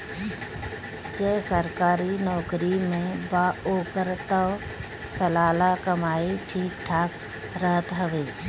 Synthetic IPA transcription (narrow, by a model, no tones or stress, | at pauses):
d͡ʒɛsəɾkaːɾinɔːkɾimẽbaoːkəɾt̪ə | səlaːlakəmaːiʈʰiːk̚ʈʰaːk | ɾəɦət̪ɦəʋeː